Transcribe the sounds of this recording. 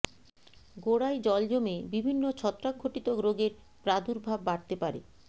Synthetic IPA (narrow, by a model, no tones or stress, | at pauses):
ɡoɽajd͡ʑɔld͡ʑomebibʱinːot͡ɕʰɔt̪ːɾaɡ̚ʱoʈit̪oɡɾoɡeɾ | pɾad̪ʱuɾbʱabːaɽt̪epaɾḛ